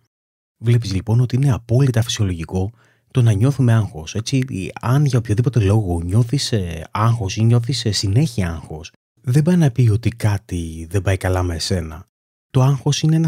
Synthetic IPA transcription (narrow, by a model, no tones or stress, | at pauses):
vle̞pizlipo̞no̞t̪iine̞ɐpo̞lit̪ɐfi̥sio̞lo̞ʝiko̞ | t̪o̞nɐɲo̞θume̞ɐŋxo̞se̞t͡siɐnʝɐopçoðipo̞t̪e̞lo̞ɣo̞ɲo̞θiseɐŋxo̞siɲo̞θisesine̞çiɐŋxo̞s | ðe̞bɐinɐpio̞t̪ikɐt̪iðe̞bɐikɐlɐme̞se̞nɐ | t̪o̞ɐŋxo̞sine̞enɐ